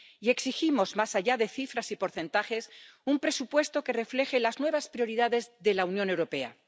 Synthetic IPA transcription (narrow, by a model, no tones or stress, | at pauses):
ie̞ksiximo̞zmasaʝaðe̞θifɾasipo̞ɾθẽ̞nt̪axe̞sumpɾe̞supwe̞st̪o̞ke̞re̞fle̞xe̞laznwe̞β̞aspɾjo̞ɾiðaðe̞zðe̞launjõne̞wɾo̞pe̞a̰